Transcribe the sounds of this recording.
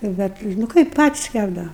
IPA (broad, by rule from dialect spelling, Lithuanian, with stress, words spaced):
nʊ ˈbʲɛt nʊ ˈkɐɪp ˈpɑːtʲɪs ˈkʲæbdɐʋɐ